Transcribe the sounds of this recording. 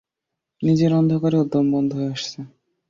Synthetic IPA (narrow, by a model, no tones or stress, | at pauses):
nid͡ʑeɾɔnd̪ʱokaɾeud̪ːombɔnd̪ʱoɦoeaʃt͡ɕʰe